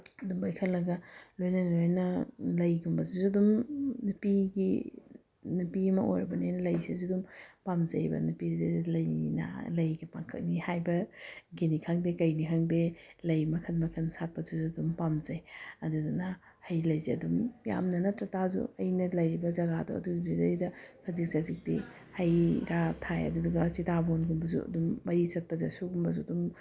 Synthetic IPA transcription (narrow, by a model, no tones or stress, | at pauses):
ɐdumbɐjkʰɐlɐɡɐlojnɐlojnɐlɐjɡumbɐzizudumnupiɡḭ | nupiɐmɐʔo̰jɾɐbɐniajnɐlɐjsizudumpamd͡ʒɐ̰jbɐ̰nupiilɐjnɐ̰lɐjɡipaŋkʰɐ̰k̚nihajbɐɡinikʰaŋdekɐjnikʰaŋdelɐjmɐkʰɐnmɐkʰɐnsʰat̚pɐzuzudumpamzɐjɐdudunɐ | hɐjlɐjziɐdumja̰mnɐnɐtɾɐtazṵɐjnɐlɐjɾibɐd͡ʒɐɡadɔ̰ɐ̰duɡidɐɾidɐkʰɐzik̚sazik̚dḭ | hɐjɾatʰajɐ̰duduɡɐsitabonɡumbɐzṵɐ̰dumːɐɾisɐt̚pɐzɐsuɡumbɐzudum